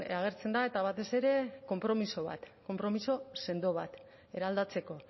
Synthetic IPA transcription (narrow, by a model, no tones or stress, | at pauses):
aɣ̞e̞ɾt͡se̞nd̪aet̪aβat̪e̞se̞ɾe̞ko̞mpɾo̞miso̞β̞a̰t̪ko̞mpɾo̞miso̞se̞nd̪o̞β̞at̪ | e̞ɾald̪at͡se̞ko̞